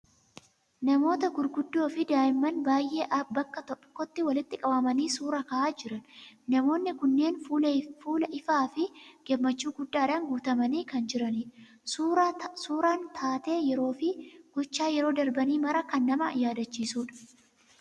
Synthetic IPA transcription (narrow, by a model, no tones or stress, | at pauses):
nɐmo̞ːt̪ɐɡʊɾɡʊd̪ːo̞ːfɪd̪aːʔɪmːɐnbaːjʔe̞ːʔɐbɐkːɐt̪ɔkːɔt̪ːɪwɐlɪt̪ːɪkʼɐbɐmɐniːsuːɾɐkɐʔaːd͡ʒɪɾɐnnɐmo̞ːnːɪkʊnːe̞ːnfufuːlɐʔɪfaːfɪɡ̥ɛmːɐt͡ʃːuːɡʊd̪ːaːᶑɐnɡuːt̪ɐmɐniːkɐnd͡ʒɪɾɐniːᶑɐ | suːɾaːnt̪ʰaːt̪e̞ːjɛɾo̞ːfɪɡ̥ʊt͡ʃːaːjɛɾo̞ːd̪ɐɾbɐniːmɐɾɐkɐnːɐmɐjaːd̪ɐt͡ʃːiːsuːᶑɐ̥